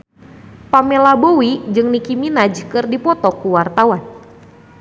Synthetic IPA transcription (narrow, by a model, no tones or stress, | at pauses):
pamelabowid͡ʒɨŋnikiminad͡ʒkɨrdipɔt̪ɔkuwart̪awan